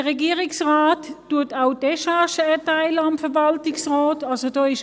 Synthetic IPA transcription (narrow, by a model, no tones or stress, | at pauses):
əʁɛɡiːʁɪksʁaːtːuɐtaʊdɛʃaʃəɛɐtaɪləɑmfɛɐvɑltɪksʁɔːtɑlsodɔːɪʃ